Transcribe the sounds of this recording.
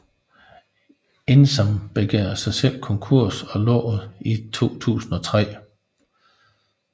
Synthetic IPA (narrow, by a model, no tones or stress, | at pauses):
ensɒmb̥e̝ɡ̥eɐsɑ̈ɪsel̰kʰɒ̽ŋkʰuɐ̰sɒ̽lɒ̰ːð̩ˠit͡sʰo̝̰ːt͡sʰṵːsn̩ɒ̽t͡sʰʁɛ̰ː